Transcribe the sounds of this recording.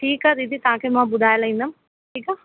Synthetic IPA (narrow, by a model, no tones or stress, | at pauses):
ʈʰiːkaɾid̪it̪ãːkʰemãːbʊd̪ʱaːjlaĩnd̪am | ʈʰiːka